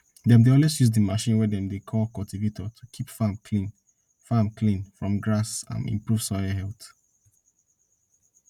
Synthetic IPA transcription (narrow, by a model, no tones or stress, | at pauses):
dɛ̃mdeɔlwesjuzdəmaʃĩnwɛdɛ̃mdekʰɔlkɔltʰivetʰɔtʰukʰipfamkʰlĩn | famkʰlĩnfɹɔ̃mɡɹasã̰nḭ̃mpɹuv̥sɔaɦɛlˠθ